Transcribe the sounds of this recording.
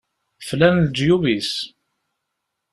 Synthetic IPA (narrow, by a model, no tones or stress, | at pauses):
flænld͡ʒ̪juvis